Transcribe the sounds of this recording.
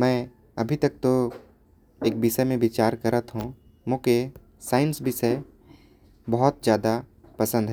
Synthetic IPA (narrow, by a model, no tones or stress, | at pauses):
mɛ̃ː | ɐbʱit̪ɐk̚t̪o | eːk̚bisəmẽbɪt͡ʃaːɾkɐɾət̪ɦũ | mõke | saːɪnsbɪsɛ | bɐɦɔt̪̚zjaːd̪apɐsə̃nd̪ɦ